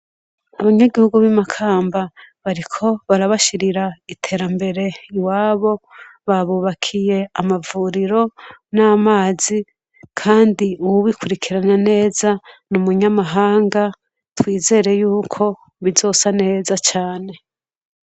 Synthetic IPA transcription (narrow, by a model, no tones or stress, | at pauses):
aβaɲeɡihuɡuβimakʰaːmbaβaɾikʰo̞βaɾaβaʃiɾiɾaitʰe̞ːɾambe̞ɾe̞waːβo̞βaβuβakʰije̞amavuːɾiɾo̞naːmaːzi | kʰaːndiuwuβikʰuɾikʰiɾanane̞ːzanumuɲamaɦaːŋɡa | twiːze̞ɾe̞juːkʰo̞ | βizo̞ːsane̞ːzat͡ʃaːne̞